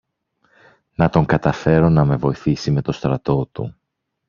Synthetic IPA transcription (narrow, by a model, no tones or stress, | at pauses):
nɐt̪o̞ŋɡɐt̪ɐfe̞ɾo̞nɐme̞vo̞iθisime̞t̪o̞st̪ɾɐt̪o̞t̪ṵ